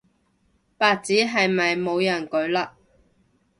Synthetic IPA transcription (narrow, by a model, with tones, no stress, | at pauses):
paː˨˧t̚t͡siː˨˥ɦɐ˨jmɐ˨jmo˨˧wjɐ˨˩nkɵ˨˧˥ɥlaː˧